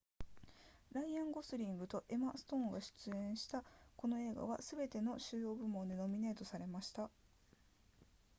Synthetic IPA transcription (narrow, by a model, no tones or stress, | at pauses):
ɾaiãŋɡo̞sɨɾʲĩŋɡɯ̟t̪o̞ʔe̞masɨ̥t̪õ̞ːŋɡaɕɨ̥t͡sɨẽ̞ɰ̃ɕi̥t̪ako̞no̞e̞ːɡa̰β̞asɨbe̞t̪e̞no̞ɕɨːjo̞ːbɯ̟mõ̞nd̪eno̞mʲine̞ːt̪o̞saɾe̞maɕi̥t̪a